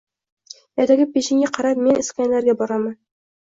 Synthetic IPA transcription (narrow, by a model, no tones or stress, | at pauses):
æt̪æɡɘp̚beɕɘ̆ŋɡæqɑɾɑpminɘ̆skænlæɾɡæbɒɾɑmɤ